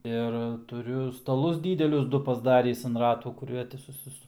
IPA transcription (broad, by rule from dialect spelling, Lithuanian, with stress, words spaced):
ɪr tʊˈrʲʊ stɐˈlˠʊs ˈdʲiːdʲɛlʲʊs ˈdʊ pɐzˈdɑːrʲiːs ɐn ˈrɑːtuː kʊˈrʲiɛ tʲɪ sʊˈsʲɪ